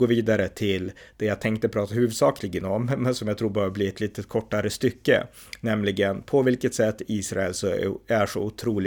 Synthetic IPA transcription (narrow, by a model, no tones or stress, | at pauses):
oːviːd̪aɾət̪ʰɪld̪̥ɛjaːɡt̪ʰɛŋk̚t̪əpʰɾɑːt̪ahʉ̟ːvɵd̪sɑːkʰlɪɡənɔmːɛnsɔmjaɡ̚t̪ʰɾuːɾbœːvəbliːɛt̪liːt̪ət̪kʰɔʈːaɾəst̪ʏkːə̰ | nɛmlɪɡənpʰɔvɪlkət̪sɛt̪ːiːsɾaɛlsɔæʂɔʊt̪ʰɾuːl